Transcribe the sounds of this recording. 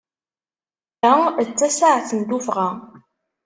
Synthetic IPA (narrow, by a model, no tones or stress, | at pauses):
æt͡sːæsaʕθənd̪ufʁa